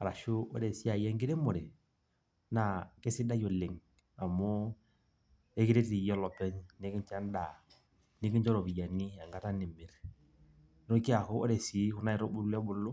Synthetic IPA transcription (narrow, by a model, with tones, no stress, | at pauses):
a˨ɾa˨ʃu˦ɔ̰˦ɾe˨si˦a˨jɛ˦ŋɡɪ˦ɾe˦mo˨ɾe˨ | na˨ke˦sɪ˦da˦jɔ˨lɪ˨ŋ | a˨mɔ˦ | e˦kɪ˦ɾe˦ti˨jɔ˦lɔ˨pɛ˦ɲne˦kɪ˦nt͡ʃa˦n˦da˨ | nɪ˦kɪ˦nt͡ʃɔ˦ɾɔ˨bi˨ja˨ni˦a˨ŋɡa˨˦ta˦nɪ˨mɪ˨ɾ | o˦ki˦a˨kʊ˦ɔ̰˦ɾɛ˨si˨˦kʊ˦na˦ɪ˨ɾɔ˦bʊ˦ɾlɛ˦bʊ˨˦lʊ˦